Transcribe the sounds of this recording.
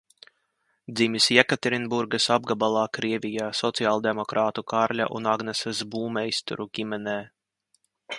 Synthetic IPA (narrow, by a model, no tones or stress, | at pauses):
d̪zimʲisjɛkat̪ɛɾinbuɾɡɐsab̚ɡabalˠaːkɾiɛvʲijaːsɔt̪siaːlˠd̪emɔkɾaːt̪ukaɾlʲa̰ʔṵnaɡnɛsɛsbuːmɛist̪ṵɾukʲimɛnɛː